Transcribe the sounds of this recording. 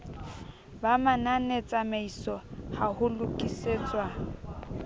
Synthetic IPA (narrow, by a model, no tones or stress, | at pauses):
bamananet͡sʼameisɔhahʊlʊkʼiseːt͡sʼwa